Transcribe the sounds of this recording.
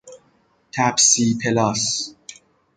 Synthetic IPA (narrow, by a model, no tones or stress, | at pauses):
t̪ʰæbsiːpʰelɒːs